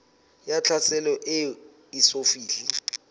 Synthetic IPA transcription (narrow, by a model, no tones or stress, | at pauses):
jat͡ɬʰasʰɛlɔʔe | isofiːɮi